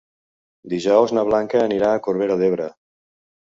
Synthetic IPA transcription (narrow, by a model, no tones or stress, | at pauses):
d̪iʒɔwznəβ̞laŋkəːniɾaːkoɾβeɾəðeβ̞ɾə